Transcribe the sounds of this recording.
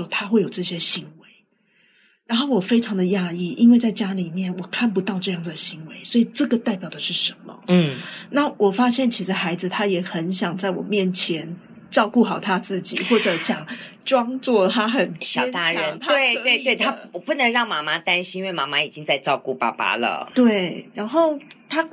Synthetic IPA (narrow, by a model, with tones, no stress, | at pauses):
o˨˩ʊt̪ʰa˥xwe˥˩ɪjo˨˩ʊʈ͡ʂɤ˥˩ɕjɛ˥ɕi˧˥nwe˧˦ɪ | ɻa˧˥nxo˥˩ʊwɔ˨˩fe˥ɪʈ͡ʂʰɑ˨˧˦ŋd̪ə˨ja˥˧i˥˩i˦˥nwe˥˧ɪt͡sa˥˩ɪt͡ɕja˥li˨˩mjɛ˥˩nwɔ˨˩kʰa˥˩npu˧˥t̪ɑ˥˧ʊʈ͡ʂɤ˥˧jɑ˥˩ŋd͡zɨ˩d̪ə˩ɕi˧˥nwe˧˥ɪswɔ˧˥i˨˩ʈ͡ʂɤ˥˩ɡə˩t̪a˥˩ɪpjɑ˨˩ʊd̪ə˩ʂɻ̩˥˩ʂə˧˦nmə̰˨n̩˥˩na˥˩˨wɔ˨˩fa˥ɕjɛ˥˩nt͡ɕʰi˧˥ʂɻ̩˧xa˧˥ɪd͡zɹ̩˨˧t̪ʰa˥jɛ˨˩xə˧˦nɕjɑ˨˩ŋt͡sa˥˩ɪwɔ̰˨˩mjɛ˥˨nt͡ɕʰjɛ˧˦n | ʈ͡ʂɑ˥˧ʊku˥˩xɑ˨˩ʊt̪ʰa˥t͡sɹ̩˥˩t͡ɕi˨˩xwɔ˥˩ʈ͡ʂɤ˨˦ɕjɑ˨˩ŋʈ͡ʂwɑ˥ŋt͡swɔ˥˩t̪ʰa˥xə˨˩nɕʰɑ˨˩˥t̪a˥ə˨˧˦nt̪ʰa˥e˥˩ɪ˧we˥˧ɪt̪we˥˩ɪt̪ʰa˥˨˩pu˥˩nə˧˥ŋɻɑ˥˩ŋma˧˥ma˦t̪a˦˥nɕĩ˦ni˦nwe˥˩ɪma˧˥ma˦i˨˩t͡ɕi˦ŋt͡sa˥˧ɪʈ͡ʂɑ˥˧ʊku˥˩pa̰˥˩pa̰˧lə̰˩t̪we˥˩ɪɻa˧˥nxo˥˩ʊt̪ʰa˥